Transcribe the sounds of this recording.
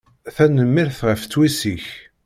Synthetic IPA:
θænəmːɪɾθʁəft͡sːwisiç

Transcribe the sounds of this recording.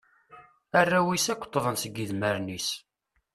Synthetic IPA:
ærːæwisækʷːə̥t̪ˤːðˤənsəɡːiðməɾnis

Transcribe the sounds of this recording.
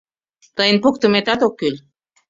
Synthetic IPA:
t̪əjnpok̚t̪əmet̪at̪okːyl

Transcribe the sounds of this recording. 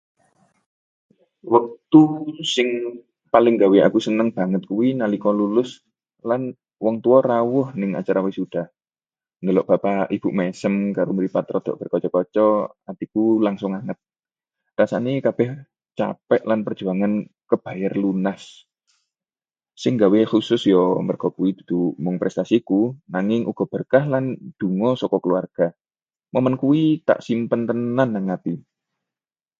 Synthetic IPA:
wək̚t̪usɪŋ | palɪŋɡawea̰kusənəŋb̥a̤ŋət̪̚kuwinalikɔlulʊs | lan | wɔŋt̪uɔrawʊhnɪŋa̰t͡ʃaɾawisud̪̥a̤h | nəlɔʔb̥apaʔib̥ṳʔmesəmkaɾoməɾipat̪ɾɔd̪̥ɔ̤̰ʔb̥ə̤rkɔt͡ʃɔkɔt͡ʃɔad̪̥ikulaŋsʊŋaŋət̪̚ | rasanekab̥ɛh | t͡ʃa̰pɛʔlanpər̥d͡ʒ̥ṳaŋankəb̥a̤jarlunas | ɪŋɡawexusʊsjɔmərɡ̥ɔ̤kuid̪̥ṳ̥d̪̥ṳmʊŋpɾʔɛst̪asikunaŋɪŋʔuɡ̥ɔ̤b̥ərkahland̪̥ṳŋɔsɔkɔkəluarɡ̥a̤ | mɔmənkuwit̪a̰ʔsimpənt̪ənanːaŋat̪i

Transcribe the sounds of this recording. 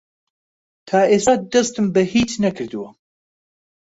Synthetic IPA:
t̪ʰaːʔeːsaːd̪ɐst̪ɨmbɐhiːt͡ʃnɐkʰɨɾd̪ɨwɐ

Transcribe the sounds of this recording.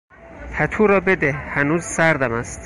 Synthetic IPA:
p̪ʰæt̪ʰuːɾɒːbed̪ehhænuːzsæɾd̪æmæst̪

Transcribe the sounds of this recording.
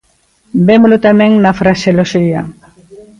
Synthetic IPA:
bemulot̪amẽŋnafɾaʃeloʃia

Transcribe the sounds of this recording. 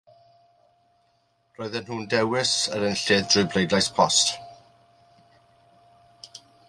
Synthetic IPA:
r̥ɔːɨðɛnɦuːndɛwɪsəɾənɬɪːðdrʊblejdlajspʰɔst

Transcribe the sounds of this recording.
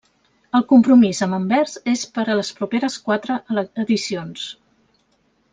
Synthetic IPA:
əlˠkumpɾumizəməmbɛɾzespəɾələspɾupeɾəskwat̪ɾəʔəðisions

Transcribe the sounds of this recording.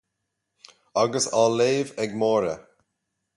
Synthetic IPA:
aɡəsaleːvɛɡmɔːɾə

